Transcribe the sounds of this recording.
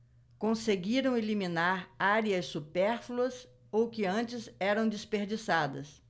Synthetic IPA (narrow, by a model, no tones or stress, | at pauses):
kõseɡiɾɐ̃w̃elimĩnaɾaɾiɐsːupɛɾfluɐs | owkɪɐ̃nt͡ʃɪzɛɾɐ̃w̃d͡ʒɪspeɾd͡ʒisad̪ɐ̰s